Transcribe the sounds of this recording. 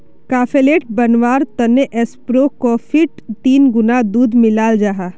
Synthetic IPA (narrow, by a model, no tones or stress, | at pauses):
kaːfeleːʈ̚bɐnʋaːɾt̪ɐneʔɛspɾokofʰɪʈt̪iːnɡʊnad̪uːd̪mɪlaːld͡ʒaɦaː